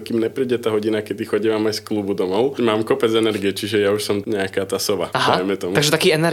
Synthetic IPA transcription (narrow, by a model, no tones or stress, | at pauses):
kimɲɛpɾiːɟɛt̪aːɦɔɟinakɛd̪ixɔɟiʋaːmajsklubud̪ɔmɔʊmaːmkɔpɛd͡zɛnɛɾɡiɛt͡ʃiʒɛjauʃsɔmɲɛakaːt̪aːsɔʋa̰aɦd̪ajmɛt̪ɔmuaɡʒɛt̪akiːɛnɛɾ